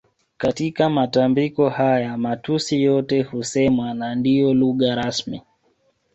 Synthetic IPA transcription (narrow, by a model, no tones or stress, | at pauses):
katikamatambikɔhajamatusijɔtɛhusɛmwanandijɔluɣaɾasmḭ